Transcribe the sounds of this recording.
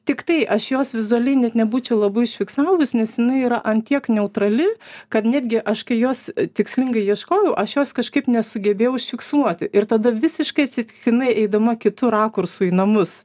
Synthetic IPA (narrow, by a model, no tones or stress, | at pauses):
t̪ʲɪkt̪ɐɪʔɐʃjoːsʋʲɪzʊɐlʲɛɪnʲɛt̪nʲɛbuːt͡ʃʲɛʊlˠɐbɐɪɪʃʲfʲɪksɑːʋʊsnʲɛsjɪnɐɪiːɾɐʔɐnt̪ʲiɛknʲɛʊt̪ɾɐlʲɪkɐt̪nʲæːd̪ʲɡʲɪʔɐʃkɐɪjoːst̪ʲɪksʲlʲɪŋɡɐɪjiɛʃkoːjɛʊʔɐʃjoːskɐʃkɐɪpnʲɛsʊɡʲɛbʲeːjɛʊɪʃʲfʲɪksuɔt̪ʲɪʔɪɾt̪ɐd̪ɐʋʲɪsʲɪʃkɐɪɐt̪ʲsʲɪt̪ʲɪkʲɪnɐɪɛɪd̪ɐmɐkʲɪt̪ʊɾɑːkʊrsʊinɐmʊs